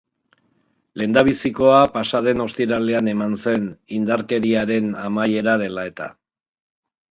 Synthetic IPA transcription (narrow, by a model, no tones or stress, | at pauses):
le̞nd̪aβ̞isiko̞apasaðe̞no̞st̪iɾale̞ane̞manse̞nind̪aɾke̞ɾiaɾe̞namaje̞ɾað̞e̞lae̞t̪a̰